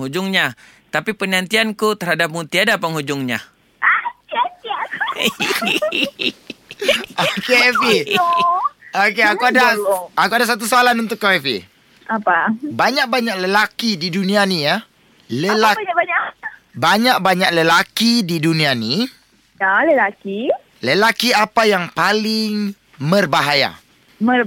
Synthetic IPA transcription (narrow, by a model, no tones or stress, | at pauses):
hud͡ʒʊŋɲa | t̪apipənant̪iankut̪ərhadap̚mut̪iadapəŋhud͡ʒʊŋɲa | a | okefe | okeakuadaakuadas̬at̪̬usalanunt̪ʊkːaɛfḛ | apabaɲãk̚baɲãk̚ləlakididunĩanija | ləlaɲabaɲãk̚baɲaʔ̚ləlakididunĩani | daləlaki | ləlakiapajaŋpalɪŋ | mə̃rbaɦaja̰ | mə